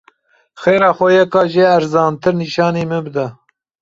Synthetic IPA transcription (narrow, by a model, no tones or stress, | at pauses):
xeːɾɑːxʷɛjɛkɑːʒeːæɾzɑːnt̪ʰɨɾniːʃɑːneːmɨnbɨd̪ɛ